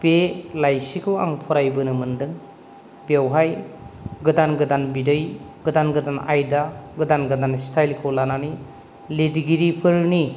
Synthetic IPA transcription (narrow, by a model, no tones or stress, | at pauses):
pelajsikʰɯwa̰ŋpʰɔɾajbɯnɯmɯndɯŋ | bewɦajɡɯdanɡɯdanbidɯj | ɡ̥ɯdanɡɯdanʔa̰jdaɡɯdanɡɯdanstʰajlkʰɯwlanani | lidiɡiɾipʰɯɾni